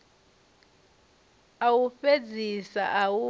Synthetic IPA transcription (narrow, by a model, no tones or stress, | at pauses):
awufed͡zʱisa̰ʔawu